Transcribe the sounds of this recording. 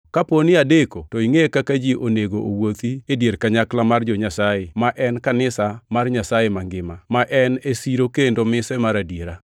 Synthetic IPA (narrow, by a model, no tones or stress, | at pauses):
kaponɪadekotɔiŋekakad͡ʒiʔoneɡoʔowot̪iedjeɾkaɲaklamard͡ʒɔɲasajemaʔɛnkanɪsamarɲasajemaŋɡɪmamaʔɛnesiɾokendomɪsɛmaɾadjeɾa